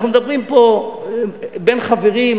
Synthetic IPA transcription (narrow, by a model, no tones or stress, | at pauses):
numed̪ɐbʁimpo | benχaveʁim